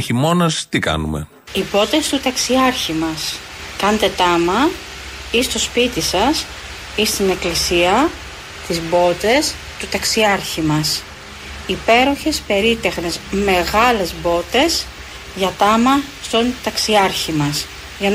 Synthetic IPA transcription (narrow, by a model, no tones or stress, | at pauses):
çimo̞nɐst̪ikɐ̰nṵmḛ | ibo̞t̪e̞st̪ut̪ɐksiɐɾçimɐs | kɐnt̪e̞t̪ɐmɐ | ist̪o̞spit̪isɐs | ist̪ine̞klisiɐ | t̪izbo̞t̪e̞s | t̪ut̪ɐksiɐɾçimɐs | ipe̞ɾo̞çe̞spe̞ɾit̪e̞xne̞zme̞ɣɐle̞zbo̞t̪e̞s | ʝɐt̪ɐmɐst̪o̞nt̪ɐksiɐɾçimɐs | ʝɐn